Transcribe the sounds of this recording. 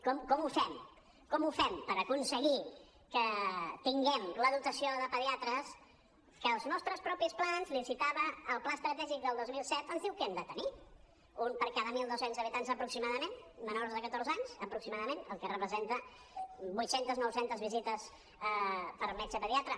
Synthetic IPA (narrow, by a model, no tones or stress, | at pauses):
kɔmkɔmufɛm | kɔmufɛmpəɾəkunsəɣi | kət̪iŋɡɛmləðut̪əsioðəpəðiat̪ɾəs | kəːlˠznɔst̪ɾəspɾɔpisplanzlisit̪aβəːlˠplast̪ɾət̪ɛʒik̚d̪əlˠd̪ozmilˠsɛt̪ənzðiwkɛmd̪ət̪əni | unpəɾkaðəmilˠd̪osenzəβit̪anzəpɾuksimaðəmenmənoɾzðəkət̪orzaɲsəpɾuksimaðəmenəlˠkərəpɾəzent̪ə | bujt̪sent̪əznɔwsent̪əzβizit̪əs | pəɾmɛt͡ʃəpəðiat̪ɾə